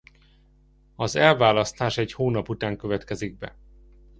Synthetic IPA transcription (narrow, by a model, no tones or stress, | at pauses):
ɒzɛlvaːlɒst̪aːʃɛchoːnɒput̪aːŋkøvɛt̪kɛziɡ̚bɛ̰